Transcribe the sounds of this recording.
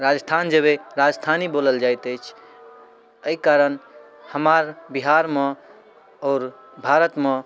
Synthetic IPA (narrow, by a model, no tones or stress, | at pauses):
ɾad͡ʒəst̪ʰand͡ʒəβeɾad͡ʒəst̪ʰaniboləld͡ʒajt̪əɪt͡ʃʰ | əikaɾən | həmaɾbiɦaɾme | ɔːɾ | bʱaɾət̪me